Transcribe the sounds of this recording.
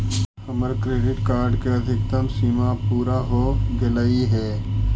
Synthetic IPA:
ɐməɾkɾeːɖɪʈkaːɾɖkeɐd̪ʱɪk̚t̪əmsimapuːɾaɦoɡɪləiɦɛː

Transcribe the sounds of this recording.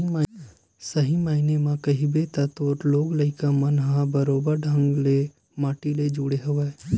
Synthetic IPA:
a | sɐɦimaːinemãkɐɦibeːt̪at̪oːɾloːɡlɐikamɐnɦãbəɾoːbəɾɖʱə̃ŋɡle | maːʈiled͡ʒuːɽeɦʊʋeː

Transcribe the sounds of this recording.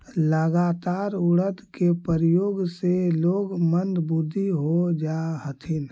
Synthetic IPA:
ləɡat̪aːɾuɽət̪kepəɾjoːɡseloːɡmənd̪bud̪ʱːiɦod͡ʒaɦət̪ʰin

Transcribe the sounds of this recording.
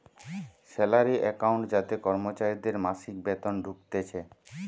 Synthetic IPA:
sɛlaɾiʔɛkawɳʈd͡ʑat̪ekɔɾmot͡ɕaɾid̪eɾmaʃik̚bet̪onɖʱuk̚t̪et͡ɕʰe

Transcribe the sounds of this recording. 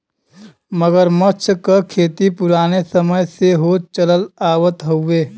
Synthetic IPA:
məɡəɾmət͡ʃʰkəkʰeːt̪ipʊɾaːnesəməjseɦoːt͡ʃələlaːwət̪ɦoʊeː

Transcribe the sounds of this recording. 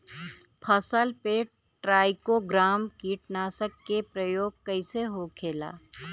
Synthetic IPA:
pʰəsəlpe | ʈɾaːɪkoɡɾaːmkiːʈnaːsəkːepɾəjoːɡ̚kɐɪseɦokʰeːla̰ː

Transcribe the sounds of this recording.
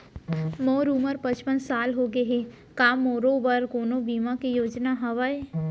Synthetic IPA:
moːɾuməɾpət͡ʃpənsaːlɦoɡəɦe | kaːmoːɾobəɾkoːnõbiːmakejoːd͡ʒnaɦɐʋae

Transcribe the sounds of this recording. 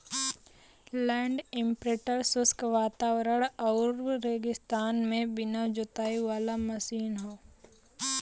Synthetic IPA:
lɛ̃ːɳɖɪ̃mpɾeːʈəɾsʊskʋaːt̪aːwɾəɽ̃ɔːɾːeːɡɪst̪aːnmẽbɪnad͡ʒʊt̪aːiʋaːlamɐsiːnɦoː

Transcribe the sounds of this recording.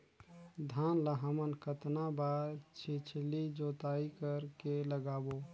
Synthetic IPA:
d̪ʱanlaɦəmənkʰət̪nabaɾt͡ʃʰit͡ʃʰlid͡ʒot̪aikəɾkeləɡabo

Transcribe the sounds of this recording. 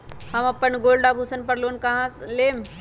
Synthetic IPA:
hɐmɐpːənɡoːlɖaːbʱusənpɐɾloːnkɐɦãːsleːm

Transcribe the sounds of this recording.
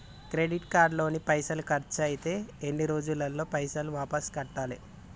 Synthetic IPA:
kɾe̞ɖiʈkaːɾɖlo̞ːnipɐjsɐlukɐɾt͡ʃɐjit̪e̞ːenːiɾo̞ːd͡ʒulːɐlːo̞ːpɐjsɐluʋaːpɐskɐʈːaːli

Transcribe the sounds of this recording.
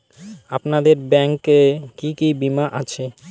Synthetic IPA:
apnad̪eɾbɛŋkekikibimaʔat͡ɕʰe

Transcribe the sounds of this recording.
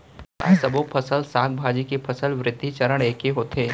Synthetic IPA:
a̰sɐbopʰəsəlsaːk̚bʱaːd͡ʒikepʰɐsəlʋɾɪd̪ʱːit͡ʃɐɾəɽ̃eːkeɦoːt̪ʰeː

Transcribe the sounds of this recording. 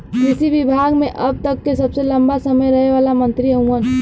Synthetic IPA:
kɾisibibʱaɡmeʔəb̚t̪əkːesəbseləmbasəməjɾəɦeʋalamənt̪ɾiɦəuən

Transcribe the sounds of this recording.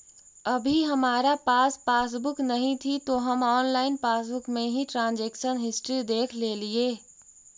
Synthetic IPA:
ɐbʱiɦɐmaːɾapaːspaːs̬bʊknɐɦĩt̪ʰit̪oɦɐmɔːnlaːɪnpaːsbʊkmẽɦiʈɾãːnd͡ʒeːkʃənɦɪsʈɾid̪eːkʰleːlieː

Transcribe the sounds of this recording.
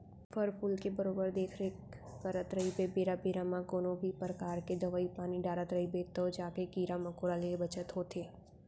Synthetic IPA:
fəɾpulkebəɾoːbəɾd̪eːkʰɾe | pəɾət̪ɾəibebeːɾabeːɾamãkoːnõbʱipɾəkaːɾked̪ɐʋaːipaːniɖaːɾat̪ɾɐibet̪od͡ʒaːkekiːɾamɐkoːɾaleebɐt͡ʃət̪ɦoːt̪ʰeː

